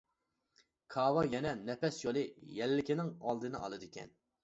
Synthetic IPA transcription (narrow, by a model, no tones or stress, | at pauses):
kʰɑːwɑjɛnɛnɛpɛsjolˠɨjɛlːɪkʲinɪŋɑlˠd̪ɨnɨ̰ʔɑ̰lˠɨd̪ɨkʲʰɛ̰n